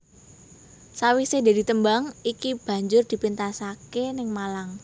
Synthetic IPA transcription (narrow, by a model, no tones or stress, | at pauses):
sawisede̤d̪i̤t̪əmbaŋikib̥ä̤ɲd͡ʒʊrd̪̥i̤pint̪asakenɪŋmalaŋ